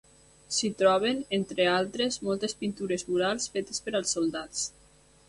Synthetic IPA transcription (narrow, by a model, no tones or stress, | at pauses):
sit̪ɾɔβ̞enent̪ɾealˠt̪ɾezmɔlˠt̪espint̪uɾezmuɾalˠsfet̪espəɾəlˠsːolˠd̪at͡s